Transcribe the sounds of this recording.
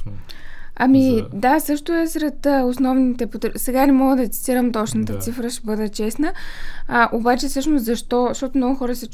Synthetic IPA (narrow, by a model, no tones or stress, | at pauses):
ɐ̰mid̪asɤʃt̪ʊɛsɾɛt̪əʊsnɔvnit̪ɛpot̪sɛɡanɛmɔɡəd̪ɐt̪si̥t̪iɾəmt̪ɔt͡ʃnət̪ət̪sifɾəʃɛbɤd̪ɛt͡ʃɛsnə | ʔobat͡ʃɛsɤʃnʊszɐʃt̪ɔʃt̪ɔt̪ʊmnɔɡʊxɔɾəsɛt͡ʃ